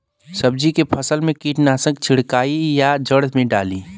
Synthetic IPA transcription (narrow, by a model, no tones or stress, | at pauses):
sɐb̚d͡ʒikepʰɐsəlmẽkiːʈnaːsə̃kt͡ʃʰɪɽkaːijad͡ʒəɽd̪mẽɖa̰ːliː